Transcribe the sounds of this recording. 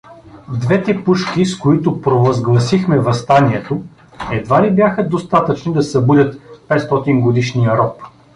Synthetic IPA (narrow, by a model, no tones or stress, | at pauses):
d̪vɛt̪ɛpuʃkiskoit̪ʊpɾovɐzɡlˠɐsixmɛvɐst̪aniɛt̪o | ɛd̪vaɾibjaxəd̪ost̪at̪ət͡ʃnid̪ɐsɐbud̪ʲət̪pɛt̪st̪ɔt̪inɡod̪iʃnijəɾɔp